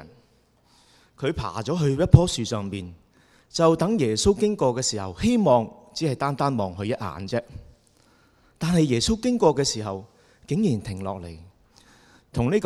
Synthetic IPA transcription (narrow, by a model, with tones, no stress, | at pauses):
n | kʰɵ˨˧ɥpʰa̰ː˨˩t͡sɔː˨˥ɦɵ˧ɥjɐ˥t̚pʰɔː˥syː˨sœː˨ŋmiː˨n | t͡sɐ˨wt̪ɐ˨˥ŋjɛː˨˩so˥wkɪ˥ŋkɔː˧kɛː˧siː˨˩hɐ̰˨˩whe˥jmɔː˨ŋt͡siː˨˥ɐ˨jt̪aː˥nt̪aː˥nmɔː˨˩ŋɦɵ˧ɥjɐ˥t̚ha̰ː˨˥nt͡sɛː˥ | t̪aː˨nɦɐ˨jɛː˨˩so˥wkɪ˥ŋkɔː˧kɛː˧siː˨˩ɦɐ˨w | kɪ˨˥ŋjiː˨˩nt̪ʰɪ˨˩ŋlɔː˨k̚lḛ˨˩j | t̪ʰʊ˨˩ŋniː˥k